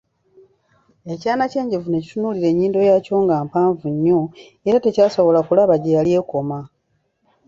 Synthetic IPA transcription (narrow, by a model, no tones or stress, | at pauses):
e̞caːnace̞ːɲɟe̞vune̞ci̥tunuliɾe̞ɲːiːndo̞jaːco̞ːŋɡaːmpaːɱvuɲːo̞ | eɾate̞caːso̞βo̞lakulaβaɟejalje̞ːko̞ma